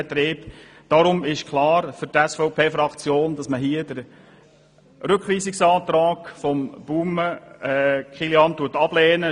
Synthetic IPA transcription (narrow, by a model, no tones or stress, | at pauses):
ɛt̪ɾɪːp | d̥ɑɾʊmɪʃkχlɑːɾfʏɾtɛsfɔʊpʰeːfɾɑkt͡sjoːndɑsməɦiəd̥əɾ | ɾɵkχliːsɪksɑːt̪ɾɑːɡ̥fɔmb̥uːməɛkχiljɑnt̪uətɑb̥lɛːnə